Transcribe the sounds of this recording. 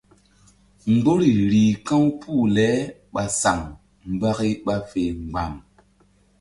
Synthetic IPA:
ŋ˦ɡ͡bo˦ɾi˨ɾi˨kã˦wpʰu˦˨lɛ˨˦ɓa˨sa˨ŋ | m̩˦˨ba˦ki˦ɓa˦fe˨ŋ͡mɡ͡ba˨m

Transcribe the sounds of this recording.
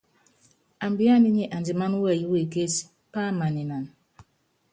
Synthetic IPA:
a˨mbi˦a˦ni˦ɲe˦ʔa˨nd͡ʒi˨ma˦nu˦wɛ˦˨ji˦we˨ke˦s | pa˦ma˨ni˨na˨n˨

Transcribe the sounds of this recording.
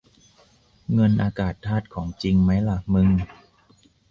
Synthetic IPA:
ŋɤ˧nʔaː˧kaː˨˩t̪ʰːaː˥˩t̪̚kʰɔː˩˦ŋt͡ɕi˧ŋma˦˥jla˨˩mɯ˧ŋ

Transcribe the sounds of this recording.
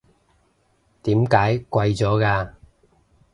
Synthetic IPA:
t̪iː˨˥mkaː˨˥jkʷɐ˧jt͡sɔː˨˥kaː˧

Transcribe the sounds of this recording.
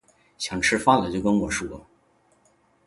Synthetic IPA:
ɕjɑ˨˩ŋʈ͡ʂʰɻ̩˥fa˥lə˨t͡ɕjo˥˧ʊkə˥nwɔ˨˩ʂu˥˩lə̰˦

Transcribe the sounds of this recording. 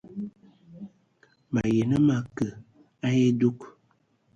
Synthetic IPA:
ba˨je˨nə˦ma˦kə˨ | a˦je˦du˦k

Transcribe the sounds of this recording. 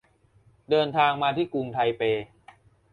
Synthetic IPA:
dɤː˧nt̪ʰaː˧ŋmaː˧t̪ʰiː˥˩ku˧ŋt̪ʰa˧jpeː˧

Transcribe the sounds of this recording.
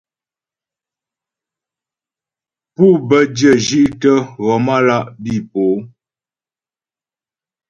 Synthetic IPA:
pu˦bə˦djə˦˨ʒʒi˦ʔtə˦ɣɔ˨ma˦la˦˨ʔbi˦˨po˨˦

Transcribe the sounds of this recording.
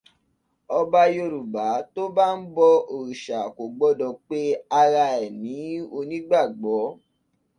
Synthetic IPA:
ɔ˧ba˧jo˧ɾu˨ba˨˦to˦ba˦n̩˦bɔ˧o˨ɾu˨ʃa˨ko˨ɡ͡bɔ˨˦dɔ̃˨k͡pe˦a˧ɾa˧ɛ˨nĩ˨˦o˧nĩ˦ɡ͡ba˦˨ɡ͡bɔ˨˦

